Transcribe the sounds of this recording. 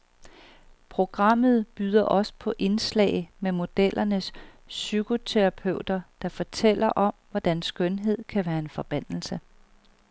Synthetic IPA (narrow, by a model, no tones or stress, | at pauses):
pʰʁo̝ɡ̥ʁɑ̈m̰ð̩ˠb̥yːð̞ˠɐʔɒ̽sə̥pʰɒ̽ʔe̝nslɛ̰ːɪmemo̝d̥el̰ɐnəsː | yɡ̥o̝t͡sʰeʁɑ̈pʰøʊd̥ɐd̥ɑ̈fɒ̽t͡sʰel̰ɐʔɒ̽mʋɒd̥ænsɡ̥œnɦe̝ð̞̰ˠkʰæʋæːɐe̝nfɒ̽b̥æn̰l̩sə